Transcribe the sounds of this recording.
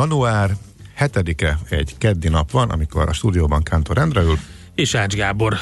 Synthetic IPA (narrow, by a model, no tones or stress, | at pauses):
ɒnuaːr | hɛt̪ɛd̪ikɛɛɟkɛd̪ːinɒpʋɒnʔɒ̰miko̞̰ɾɒ̰ʃt̪uːd̪ijoːbɒŋkaːnt̪oɾɛnd̪rɛylt̪ | eːʃaːd͡ʒɡaːbo̞r